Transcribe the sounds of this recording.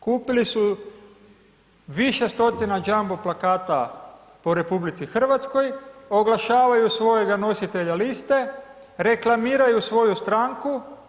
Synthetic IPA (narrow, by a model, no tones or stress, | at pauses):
kuːpilisu | ʋiʃest̪o̞t̪inad͡ʒamboplakaːt̪a | poɾe̞publit̪sixr̩ʋat̪sko̞jo̞ɡlˠaʃaːʋajusʋo̞je̞ɡano̞sit̪e̞ʎalist̪e̞ | ɾe̞klamiːɾajusʋo̞just̪ɾaŋku